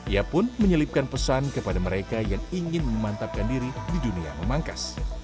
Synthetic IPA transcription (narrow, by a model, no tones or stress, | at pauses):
iapʊnməɲəlɪp̚kanpəsankəpadaməɾekajaŋiŋɪnməmant̪ap̚kandiɾididunia̰məmaŋkas